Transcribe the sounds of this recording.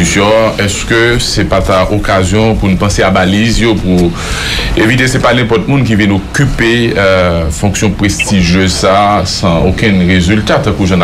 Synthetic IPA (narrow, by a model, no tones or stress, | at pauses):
sjɔ̃ɛskøsɛpat̪aʔokazjɔ̃punupɑ̃seabalizjopu | evit̪esɛpanɛ̃pɔt̪̚mũnk̬ivinokype | fɔ̃ksjɔ̃pʁest̪iʒjøzsasãokɛ̃nʁezylt̪at̪ãkuʒãn